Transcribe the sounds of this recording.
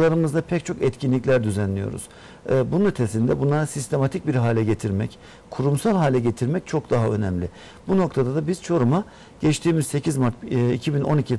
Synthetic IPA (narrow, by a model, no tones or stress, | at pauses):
lˠaɾɯmɯzd̪apʰɛc̚t͡ʃʰo̞kɛt̪cʰinlʲiclʲæɾd̪yzænlʲijo̞̰ɾṵz̥ | bununyt̪ʰesind̪ɛbunlˠaɾasist̪ʰe̞mat̪ʰic̚biɾɦaːlʲɛɟet̪ʰiɾmɛ̰c | kʰuɾumsalˠɦaːlʲɛɟe̞t̪ʰiɾmɛc̚t͡ʃʰo̞k̚d̪aɦaø̞nɛmlʲɪ | buno̞k̚t̪ʰad̪ad̪abiz̥t͡ʃʰo̞ɾuma | ɟ̥ɛt͡ʃt̪ʰiːmizse̞cʰizmaɾt̪̚icʰibino̞̰nicʰi